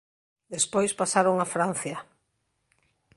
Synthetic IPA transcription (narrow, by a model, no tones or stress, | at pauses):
d̪espojspasaɾoŋafɾan̟θja